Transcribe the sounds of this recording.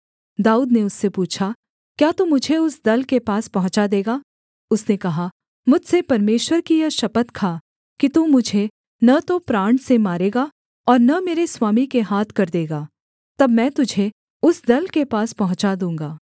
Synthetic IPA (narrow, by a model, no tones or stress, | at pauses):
d̪aːuːd̪neʊsːepuːt͡ʃʰa | kjaːt̪umʊd͡ʒʱeʊsd̪ɐlkepaːspɐɦʊ̃t͡ʃad̪eːɡaː | ʊsnekɐɦa | mʊd͡ʒʱsepɐɾmeːʃwəɾkijɐʃɐpət̪kʰaː | kit̪uːmʊd͡ʒʱe | nɐt̪opɾaːɳʈsemaːɾeːɡa | ɔːɾnɐmeːɾeswaːmikeɦaːt̪ʰkɐɾd̪eːɡaː | t̪ɐbmɛ̃ːt̪ʊd͡ʒʱe | ʊsd̪ɐlkepaːspɐɦʊ̃t͡ʃad̪ũːŋɡaː